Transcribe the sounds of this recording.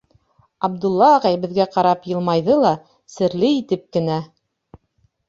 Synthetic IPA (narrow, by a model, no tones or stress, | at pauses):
ɑbd̪ulˠːɑːʁɑjbɘ̆ðɡæqɑɾɑpjɤ̆lˠmɑjðɤlˠɑ | sɘ̆ɾlɘit̪ɘp̚kɘ̆næ